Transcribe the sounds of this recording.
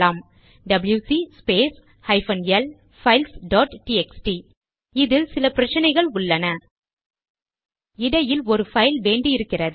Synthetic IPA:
aːm | ɖɐbljuːsispeːs | hɐɪfɐnɛl | fɐɪlsɖɔːʈʈiɛksʈi | ɪðɪlsɪlɐpɪɾɐt͡ʃːɐnɐɪɣɐɭʊɭːɐnɐ | ɪɽɐjɪlɔɾɯfɐɪlʋeːɳɖiɪɾɯkːɪrɐðɯ

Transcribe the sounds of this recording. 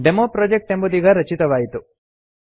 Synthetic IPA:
ɖemoːpɾoːd͡ʒek̚ʈembud̪iɡɐɾɐt͡ʃit̪ɐʋaːjit̪u

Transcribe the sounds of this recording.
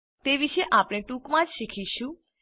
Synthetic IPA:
t̪eʋiʃeʔapɽ̃eʈukmãd͡ʒʃikʰiʃũ

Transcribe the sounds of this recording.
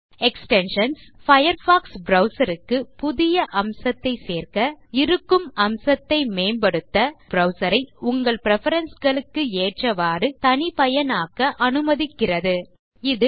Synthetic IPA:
ɛksʈɛnʂɐnsfɐjɐɾfaːksbɾɐʊsɐɾɯkːɯpʊðɪjɐʔɐmsɐt̪ːɐɪseːrkɐɪɾɯkːɯmɐmsɐt̪ːɐɪmeːmbɐɽɯt̪ːɐbɾɐʊsɐɾɐɪʊŋɡɐɭpɪɾɛfɐɾɐnsɡɐɭɯkːɯeːʈrɐʋaːɾɯt̪ɐnɪpɐjɐnaːkɐʔɐnɯmɐðɪkːɪrɐðɯ | ɪðɯ

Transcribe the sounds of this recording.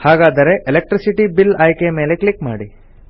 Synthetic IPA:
haːɡaːd̪ɐɾe̞ʔelek̚ʈɾisiʈibilaːjkeme̞ːle̞klikma̰ːɽi

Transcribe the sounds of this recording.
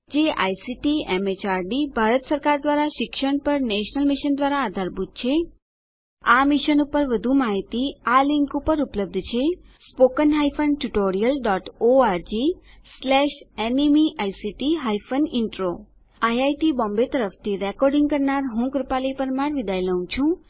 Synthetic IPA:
d͡ʒeʔa̰jsiʈiemet͡ʃaɾɖibʱaɾət̪səɾkaɾd̪ʋaɾaʃɪkʃəɳpəɾneʃnəlmiʃənd̪ʋaɾaːd̪ʱaɾbʱut̪̚t͡ʃʰe | amiʃənupəɾʋəd̪ʱumaɦit̪ialɪŋkupəɾupləb̚d̪ʱt͡ʃʰe | spokənɦajfʰənʈuʈoɾijəlɖɔʈoaɾd͡ʒislɛʃenimiʔajsiʈiɦajfənɪɳʈɾo | ajajʈibɔ̃mbet̪əɾəft̪ʰiɾɛkɔɾɖĩŋɡkəɾnaɾɦũkɾəpalipəɾmaɽʋid̪ajləɦũt͡ʃʰũ

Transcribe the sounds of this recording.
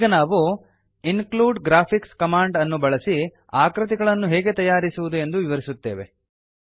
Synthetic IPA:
iːɡɐnaːʋu | inkluːɖɡɾaːpʰikskɐmaːɳɖɐnːubɐɭɐsi | aːkɾɐt̪̬iɡɐɭɐnːuɦɛːɡe̞t̪ɐjaːɾisuʋud̪ue̞nd̪uʋiʋɐɾisut̪ːe̞ːʋe̞̰

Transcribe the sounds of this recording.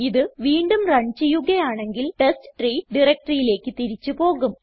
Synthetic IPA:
iðɨʋiːɳɖumrɐɲt͡ɕijuɣɐjaːɳe̞ŋɡilʈestɨ̥ʈriːɖirɐk̚ʈɐrijile̞ːkːɨt̪iɾit͡ɕːupo̞ːɣum

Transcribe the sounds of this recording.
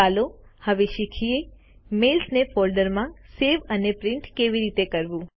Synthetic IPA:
alohəʋeʃikʰie | melsnefɔɾɖəɾmãseʋənepɾɪɳʈkeʋiɾit̪ekəɾʋũ

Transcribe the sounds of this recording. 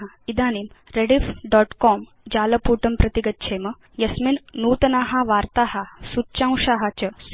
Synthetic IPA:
ɦa | id̪aːnimɾeɽifɖɔːʈkɔm | d͡ʑaːlɐpuːʈɐmpɾɐt̪iɡət̪̚t͡ʃʰemɐ | jɐsminnuːt̪naɦaʋaːɾt̪aɦasutːɕãw̃ʂaɦat͡ɕɐs

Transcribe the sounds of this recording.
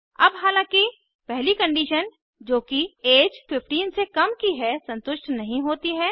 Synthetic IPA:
ɐbɦaːlãːki | pɛɦlikə̃ɳɖiːʃən | d͡ʒoːkieːd͡ʒfɪfʈiːnsekɐmkiɦɛsɐ̃nt̪ʊʃʈnɐɦĩɦoːt̪iɦɛː

